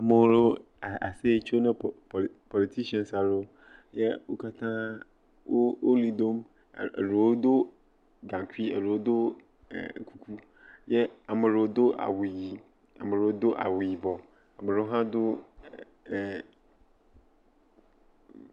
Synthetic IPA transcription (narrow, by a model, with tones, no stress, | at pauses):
a˨mɪ̃˨wɾʊ˦˨ | a˨se˦˨t͡ɕʰo˦nʊ̃˦˨pʰɔ˨li˨t̪ʰi˦ʃi˦ɔ̃˨nsa˨ɾo˦ | jɛ˦wo˦ka˦t̪ʰãː˦ | wo˦o˦li˦d̪o˦m̰˨ | ɾo˨o˦d̪ʊ˦ | ɡã˨ŋ˨kʰi˦ɛ̰˨ɾo˨wo˦d̪ʊ̰˦˨ | kʰu˦kʰu˦ | jɛ˦a˨mɪ̃˨ɾʊ˨˦d̪ʊ˦ʔa̰˨wʊ˨ji˨ | a̰˨mɪ̃˨ɾʊ˨o˦d̪ʊ˦ʔa̰˨wʊ˨ji˨bɔ˨ | a˨mɪ̃˨ɾʊ˦o˦ɦã˦d̪ʊ˦˨